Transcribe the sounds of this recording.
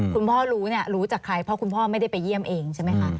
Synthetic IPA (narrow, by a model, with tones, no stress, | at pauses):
kʰu˧npʰɔː˥˩ɾuː˦˥ni˥˩ɐɾuː˦˥t͡ɕaː˨˩kʰɾa˧jpʰɾɔ˦˥kʰu˧npʰɔː˥˩ma˥˩jda˥˩jpa˧jːi˥˩əmʔeː˧ŋt͡ɕʰa˥˩ma˦˥jkʰa˦˥ʔ